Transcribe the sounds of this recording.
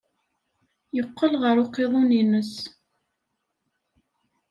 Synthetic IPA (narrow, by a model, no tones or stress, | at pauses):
jəqːəlʁəɾʊqːeðˤuninəs